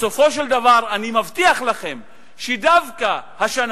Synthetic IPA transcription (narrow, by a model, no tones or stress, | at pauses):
so̞fo̞ʃ̬eld̪avaʁanimavt̪iaχlaχe̞m | ʃed̪avkahaʃan